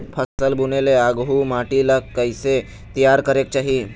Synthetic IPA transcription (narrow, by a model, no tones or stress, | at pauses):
pʰəsəlbuneleaɡɦumaʈilakːəjse | t̪ijaɾkəɾek̚t͡ɕaɦi